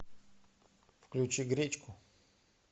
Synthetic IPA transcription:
fklʲut͡ɕiɡɾʲet͡ɕkʊ

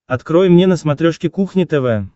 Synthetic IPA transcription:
ɐt̪kɾɔjmnʲenəsmat̪ɾʲoʂkʲɪkuxnʲɪt̪ɛvɛ

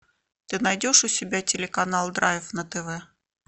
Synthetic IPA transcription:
t̪ɨnɐjdʲo̞ʂʊsʲɪbʲatʲɪlʲɪkɐnalˠd̪ɾajfnət̪ɛvɛ

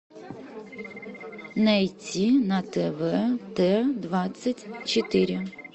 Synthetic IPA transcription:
nɛjt͡sʲinɐt̪ɛʋɛt̪ɛd̪ʋɑt͡sʲːɐtʲt͡ʃɔt̪ɪɾʲɪ

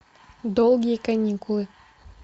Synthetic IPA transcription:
d̪olˠɡʲijəkɐnʲikulˠɨ

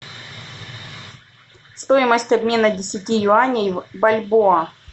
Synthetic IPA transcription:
st̪o̞ɪməsʲtʲɐbmʲe̞nədʲɪsʲɪtʲijʊanʲejbɐlʲboɐ

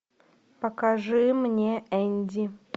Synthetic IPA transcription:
pɐkaʐɨmnʲeʔɛnʲdʲɪ

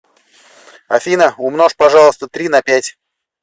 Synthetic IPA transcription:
ɐfʲinəʊmnoʂpɐʐɑlˠəst̪ət̪ɾʲinɐpʲætʲ

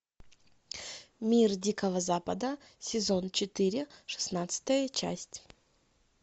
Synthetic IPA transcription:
mʲirdʲikəvəzapəd̪ə | sʲɪzont͡ɕɪt̪ɨɾʲɪʂɨ̥snat̪sɨ̥t̪əjət͡ɕæ̰sʲtʲ

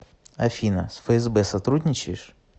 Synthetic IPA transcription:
ɐ̰fʲinɐ̰sfəɛzbɛsɐt̪ɾudʲnʲɪt͡ɕɪjɪʂ

